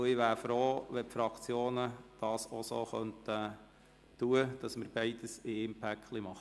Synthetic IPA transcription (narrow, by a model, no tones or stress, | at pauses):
ɪʋæːɾfɾoːʋɛpfɾɑkt͡sjoːnəd̥ɑːsosoːχœntə | tuəd̥ɑsməɾbɛɪd̥əsɪɪmpʰækχlimɑχ